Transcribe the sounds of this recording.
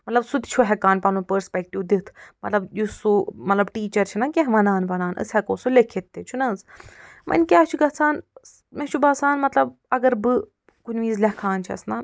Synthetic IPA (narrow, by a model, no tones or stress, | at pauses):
mɐt̪lɐbsut̪ʲt͡ʃʰuɦʲɛkaːnpɐnũːpəɾspʲɛk̚ʈiwd̪it̪ʰmɐt̪lɐbjusumɐt̪lɐbʈiːt͡ʃɐɾt͡ʃʰinɐkʲeɦʋɐnaːnbɐnaːnɐ̰sʲhɛkoːsulʲekʰːet̪ːet͡ʃʰunɐz | mʔɐ̰nʲkʲaːt͡ʃʰuɡɐt͡sʰaːn | mɛ̃t͡ʃʰubɐsaːnmɐt̪lɐbɐɡɐɾbɨ | kunʲʋiːzlʲɐkʰaːnt͡ʃʰiɐ̰snɐ